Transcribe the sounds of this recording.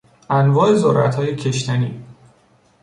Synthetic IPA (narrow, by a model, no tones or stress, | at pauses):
ʔænvɒːe̞zoɾæ̰t̪ʰhɒːje̞cʰe̞ʃt̪ʰæniː